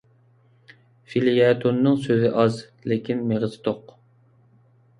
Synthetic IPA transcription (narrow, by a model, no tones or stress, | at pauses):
filijɛt̪ʰonːɨŋsøzɪʔɑz | lɪkʲʰinmeʁɨzt̪ʰoq